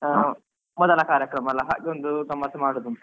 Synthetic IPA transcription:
mɔd̪ɐlɐkaːɾjɐkɾɐmɐlɐɦa̰ːɡeond̪uɡɐmɐɾsɐmaːɽoːd̪unt̪ɐ

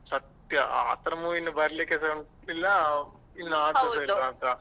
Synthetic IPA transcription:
sɐt̪jɐʔa̰ːt̪ɾɐmuʋinːubɐɾlekesɐɳ | nilːɐ | inːɐaːd̪ɐsɐilɐːnt̪ɐ

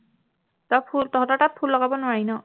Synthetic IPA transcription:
tɔpʰultɔɦɔtɔtat̚pʰulːɔɡabɔnwaɹinɔ

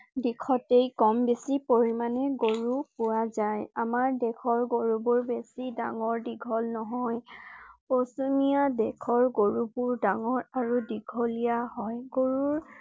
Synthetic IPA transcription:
dikʰɔtejkɔmbesipoɹimanɛɡoɹupʊɹazajamaɹdɛkʰɔɹɡoɹubɔɹbesidaŋɔɹdiɡʱɔlnɔɦɔjposumijadɛkʰɔɹɡoɹupʊɹdaŋɔɹaɹudiɡʱɔlijaɦɔjɡoɹuɹ

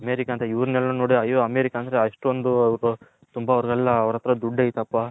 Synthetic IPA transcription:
ɐmeːɾikaːnt̪ɐiʋɾnɛlːɐunoːɽiɐjoːɐmeːɾikaːnd̪ɐɾeɐʂʈond̪uɐʋɾu | t̪umbɐɔɾɡɐlːɐɐʋɾɐt̪ːɾɐd̪uɖːɐːjit̪ɐpːa

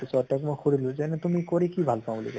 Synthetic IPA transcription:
sɔtakmojxuɹilʊ̃zɛnɛtumikoɹikibʱalpãblḭkɛ

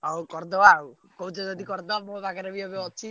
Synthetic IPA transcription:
awkoɾd̪oaw | kowt͡ʃed̪ot̪̬ikoɾd̪oaboeβakeɾeβioβeot͡ʃi

